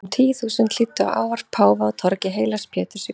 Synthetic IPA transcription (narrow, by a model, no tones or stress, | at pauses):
t̪ʰiːθuːsʏnt̪l̥ɪːt̪ːʏa̰wʔa̰ːwvar̥t̪̚pʰaːwvaɔt̪ʰɔɾcɪɦeːjlḁspʰɛːt̪ʏɾsɪ